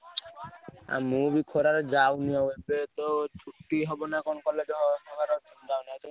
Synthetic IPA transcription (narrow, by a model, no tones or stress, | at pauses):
a̰mubikʰoɾaɾɔd͡ʒawniawebet̪ɔt͡ʃʰuʈːiɦɔbɔnakonɔkɔled͡ʒɦɔbaɾɔ | d͡ʒawnat̪ɔ